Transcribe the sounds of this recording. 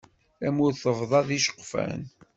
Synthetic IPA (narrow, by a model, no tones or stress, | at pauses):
æmʊɾθəvðˤɑðiʃə̥qːfæ̰n